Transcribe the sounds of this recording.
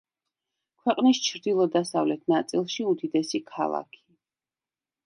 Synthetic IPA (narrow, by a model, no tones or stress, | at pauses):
kʰwɛqʼnist͡ʃʰɾd̪ilˠɔd̪asavlɛt̪ʰnat̪sʼilˠʃiud̪id̪ɛsikʰa̰lˠa̰kʰi̥